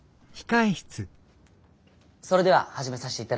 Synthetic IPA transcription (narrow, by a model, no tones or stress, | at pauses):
çi̥kaiçi̥t͡sɨ | so̞ɾe̞d̪e̞βa̰haʑime̞saɕit̪eit̪ːa